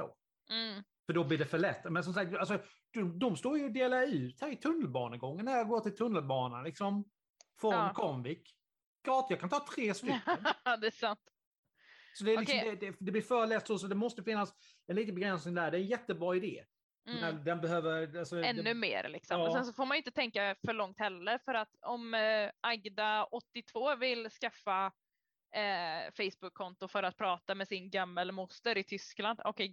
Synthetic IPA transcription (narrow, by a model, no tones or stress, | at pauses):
o̰ː | fœɖɔblɪɖɛfœɭɛt̪ːmɛns̬ɔmsak̚t̪als̬ɔ | d̪̥ɔd̪ɔmst̪oːɾjɵːd̪eːlaʉ̟ːt̪hæːɾɪt̪ʰɵnːəlbɑːnəɡɔŋːənːæɾjɑɡoːʈ̪ɪlt̪ʰɵnːəlbɑːnalɪksɔm | fɾɔnkʰɔmvɪk | ɡ̥ɑːt̪jɑkʰant̪ʰɑːt̪ʰɾeːst̪ʏkkːənd̪ɛsant̪ | sɔd̪ɛːɾɪksɔmd̪ɛd̪ɛd̪ɛblɪːɾfœːɾɭɛːt̪ːsosɔd̪ɛmɔst̪əfɪnːas | ɛnliːt̪ənbɛɡɾɛnsnɪŋd̪æːɖɛːɛnjɛt̪ːəbɾɑːɪd̪ḛː | nɛd̪ɛnbɛɦøːvəɾalsɔɛnːɵmḛːɾlɪ̰ksɔmɔsɛnsɔfoːɾmajʏɪnt̪ət̪ʰɛŋkafœɭɔŋt̪hɛlːəɾfœɾat̪ɔmʔaɡd̪aɔt̪ːɪt̪ʰvoːvɪlskafːa | fɛjsbɵkʰːɔnt̪ʊfœɾat̪̚pʰɾɑːt̪amɛsɪnɡamːəlmʊst̪əɾɪt̪ʰʏskland̪ɔ̰kʰɛj